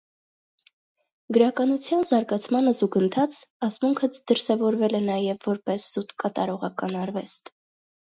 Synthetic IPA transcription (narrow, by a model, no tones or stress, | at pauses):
ɡəɾɑkɑnut͡sʰjɑnzɑɾɡɑt͡sʰmɑnəzuɡənt̪ʰɑt͡sɑsmuŋkʰət͡sd̪̥əɾsɛvɔɾvɛlɛnɑjɛvːɔɾpɛsz̥ut̪kɑt̪ɑɾɔʁɑkɑnɑɾvɛst̪